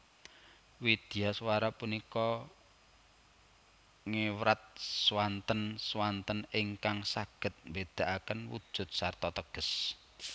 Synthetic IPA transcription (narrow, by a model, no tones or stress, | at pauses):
wid̪̥i̤jaswaɾapunikɔ | ŋewɾat̪̚swant̪ənswant̪ənɪŋkaŋsaɡ̥ə̤t̪̚mbed̪̥a̤ʔakənwṵd̥ʒ̥ʊ̤t̪̚sart̪ɔt̪əɡ̥ə̤s